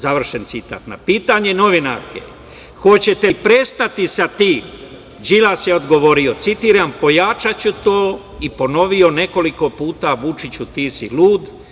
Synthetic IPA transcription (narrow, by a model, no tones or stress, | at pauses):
zaʋr̩ʃe̞nt̪sit̪a̰ːt̪na̰piːt̪aɲe̞noʋinaɾkḛ | xo̞t͡ɕe̞t̪epɾest̪at̪isat̪iːm | d͡ʒilasjeo̞d̪ɡo̞ʋo̞ɾio̞t̪sit̪iɾampo̞jat͡ʃat͡ɕut̪oː | ipo̞no̞ʋio̞ne̞ko̞liko̞puːt̪aʋut͡ʃit͡ɕut̪isiluːd̪